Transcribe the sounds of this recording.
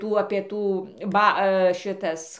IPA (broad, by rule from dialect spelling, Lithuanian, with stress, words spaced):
ˈtuː ˈɑːpʲiɛ ˈtuː ˈbɐ ˈʃʲɪtɐs